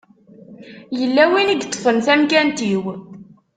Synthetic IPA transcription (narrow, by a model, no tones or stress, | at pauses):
jəlːæwiniɡt̪ˤːfənθæmkænt̪iw